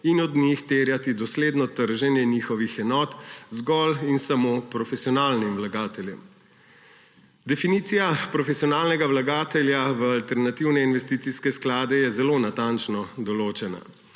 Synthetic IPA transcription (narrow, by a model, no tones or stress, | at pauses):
inɔd̪nixt̪eːɾjat̪id̪ɔsleːd̪nɔt̪əɾʒɛnjɛniːxɔʋixɛnɔːt̪zɡɔlinsamopɾɔfɛsijɔnaːlnimwlaɡaːt̪ɛljɛ̰m | d̪ɛfiniːt̪sijapɾɔfɛsiɔnaːlnɛɡawlaɡaːt̪ɛljaʋəalt̪ɛɾnat̪iwnɛinʋɛst̪iːt̪siskɛsklaːd̪ɛjɛzɛlonat̪ant͡ʃnɔd̪ɔloːt͡ʃɛna̰